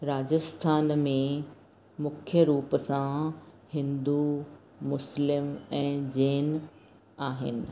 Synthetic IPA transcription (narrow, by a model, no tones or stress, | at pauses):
ɾaːd͡ʑəst̪ʰaːnmẽ | mʊkʰjəɾuːpəsã | hɪ̃nd̪u | mʊslɪmɛ̃ːd͡ʑeːn | aːɦɪ̰nɪ̆